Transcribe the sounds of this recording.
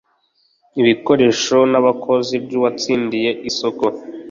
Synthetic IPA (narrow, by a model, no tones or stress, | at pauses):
iβiko̞ɾe̞ːʃo̞naβakʰo̞zibɟuβat͡siːndije̞ʔisoko